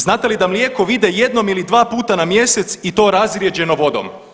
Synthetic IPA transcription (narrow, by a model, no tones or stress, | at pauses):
znaːt̪elid̪amljeːko̞ʋid̪eje̞d̪no̞milid̪ʋaːpuːt̪anamje̞se̞t̪sit̪o̞ːɾazɾʲje̞d͡ʑe̞no̞ʋo̞d̪o̰m